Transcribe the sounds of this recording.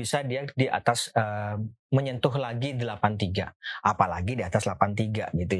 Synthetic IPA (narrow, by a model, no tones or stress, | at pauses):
isadiadiʔa̰t̪asəməɲənt̪ʊɦlaɡidəlapant̪iɡa̰ʔapalaɡidiat̪aslapant̪iɡa̰ɡit̪u